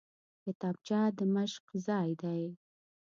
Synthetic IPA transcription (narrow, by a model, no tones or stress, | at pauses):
kɪt̪ɑb̚t͡ʃɑd̪əməʃqzɑjd̪aj